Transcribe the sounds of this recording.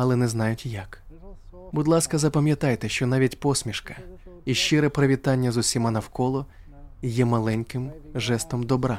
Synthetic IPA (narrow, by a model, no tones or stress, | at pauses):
ɐlˠɛnɛznɑjʊtʲjɐk | bʊd̪lˠɑskɐzɐpɐmʲjɐt̪ɑjt̪ɛʃt͡ʃɔnɑʋʲitʲpɔsʲmʲiʃkɐ̥iʃt͡ʃɪɾɛpɾɐʋʲit̪ɑnʲːɐzʊsʲimɑnɐwkɔlˠɔ | jɛmɐlˠɛnʲkɪmʒɛst̪ɔmd̪ɔbɾɑ